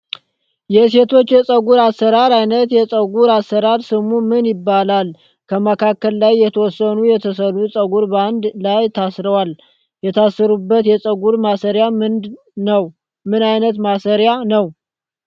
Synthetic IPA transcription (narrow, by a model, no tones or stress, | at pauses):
jɛse̞t̪ʰo̞t͡ʃːjɛsʼəɡuɾasːəɾaɾajnət̪jɛsʼəɡuɾasːəɾaɾsɨmumɨnjɪbːalal | kʰəməkʰakːəlːajːɛt̪ʰəwɔsːənujɛt̪ʰəsəlusʼəɡuɾband̪lajt̪ʰasɾəwal | jɛt̪ʰasːəɾubːət̪jɛsʼəɡuɾmasəɾjamɨnd̪ | nəw | mɨnajnət̪masəɾjanəw